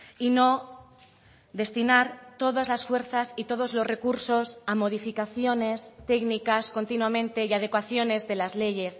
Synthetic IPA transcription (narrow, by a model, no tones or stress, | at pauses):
ino̞ | ðe̞st̪inaɾt̪o̞ðazlasfwe̞ɾθasit̪o̞ð̞o̞zlo̞sre̞kuɾso̞samo̞ð̞ifikaθjo̞ne̞st̪e̞knikasko̞nt̪inwamẽnt̪e̞iað̞e̞kwaθjo̞ne̞zðe̞lazle̞ʝe̞s